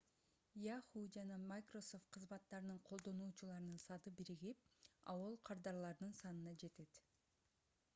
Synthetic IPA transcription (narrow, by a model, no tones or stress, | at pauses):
jɑχud͡ʒɑnɑmakroso̞ft̪̚qʰɯzmɑt̪ːɑɾɯnɯɴqʰo̞lˠd̪o̞nuːt͡ʃulˠɑɾɯnɯnsɑd̪ɯbiɾiɡip̚ɑ̰wolˠqʰɑɾd̪ɑɾlˠɑɾd̪ɯnsɑnɯnɑd͡ʒe̞t̪e̞t̪